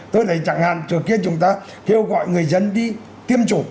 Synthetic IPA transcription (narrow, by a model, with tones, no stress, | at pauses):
t̪o˧jɗə˨˦jt͡ɕa˧˩ŋha̰ː˧˨nt͡ɕɨ˨˩əŋki˧˥ənt͡ɕʊ˨˦ŋ͡mt̪aː˧ | ke˧wɣɔ̰˧˨jŋɨ˨˩əjzə˧nɗi˧ | t̪i˧əmt͡ɕu˧˩˦